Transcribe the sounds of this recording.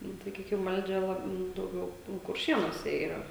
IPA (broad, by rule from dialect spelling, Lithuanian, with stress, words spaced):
ˈnʊ sɐˈkʲiːkʲɪm ˈʋɐlʲd͡ʒʲɛ ˈlˠɐp nʊ dɐʊˈɡʲɛʊ nʊ kʊrʲˈʃʲiɛnuɔsʲɛ iːˈrɐ